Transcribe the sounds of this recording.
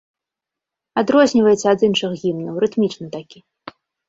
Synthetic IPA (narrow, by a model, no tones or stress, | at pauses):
ad̪ɾɔzʲnʲivɐjɛsʲɐad̪inʂɨɣɣʲimnɐwɾɨt̪mʲit͡ʂnɨt̪akʲi